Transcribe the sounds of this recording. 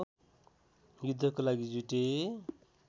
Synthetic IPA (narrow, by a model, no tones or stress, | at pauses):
jud̪ʱːʌkolaɡid͡zuʈe